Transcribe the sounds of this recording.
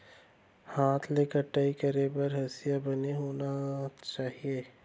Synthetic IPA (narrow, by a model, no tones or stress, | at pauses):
haːt̪ʰleːkəɾʈaːikəɾebɐɾɦɐsɪjabɐneɦoːnat͡ʃaːɦieː